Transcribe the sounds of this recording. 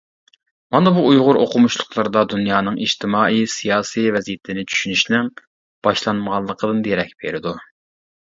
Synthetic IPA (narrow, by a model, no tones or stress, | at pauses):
mɑnɨbuʔujʁʊɾoqʰʊmuʃlˠʊqʰlˠɑɾd̪ɑd̪unjɑːnɨŋiʃt̪ʰɪmɑːisijɑːsijvɛzijɪt̪ʰɪnɪt͡ʃʰy̥ʃynyʃnɪŋ | b̥ɑʃlˠɑnməʁɑlˠːəqʰəd̪ɨnd̪eɾɛk̚ʲb̥ḛɾɪd̪u